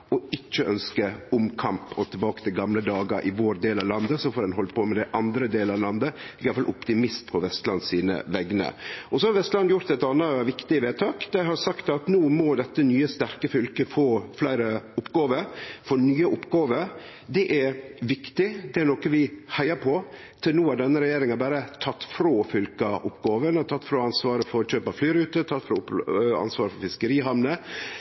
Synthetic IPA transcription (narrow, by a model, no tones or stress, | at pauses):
ɔɪt͡ʃːəʔœnskəʊmkʰɑmpɔt̪ʰɪlbɑːkət̪ʰɪlɡɑmləd̪ɑːɡə̰ɾʔɪ̰ʋoːɾd̪eːlɑʋlɑnd̪əsɔfoːɾd̪ɛnɦɔlt̪pʰɔmɛd̪æɪʔɑnd̪ɾəd̪eːləɑʋlɑnd̪əɛɪjɑfɑlʔʊpt̪ɪmɪst̪pʰɔʋɛst̪lɑnsiːnə̰ʋɛɡənə̰ɔsɔhɑɾʋɛst̪lɑnjʊɾt̪ɛt̪ɑnɑʋɪkt̪ɪəʋeːt̪ʰɑːkd̪̥æɪɦɑɾsɑkt̪ɑt̪nuːmɔd̪ɛt̪ːənyːəst̪æɾkəfʏlkəfoːflæɪɾəʊpɡɑːʋəɾfɔɾnyːəʔʊpɡɑːʋəɾ | d̪ɛʔæɾʋɪkt̪ɪd̪ɛæɾɳoːkəʋɪhæɪɑɾpʰɔ | t̪ʰɪlnuːæɖɛnːəɾɛjeːɾɪŋɑbæːɾət̪ʰɑt̪ːfɾoːfʏlkɑʔʊpːɡɑːʋənt̪ʰɑt̪ːfɾoːɑnsʋɑːɾəfɔɾɕøːpɑflyːɾʉːt̪ət̪ʰɑt̪ːfɾoːɑ̰nsʋɑːɾəfɔɾfɪskəɾiːɦɑmnə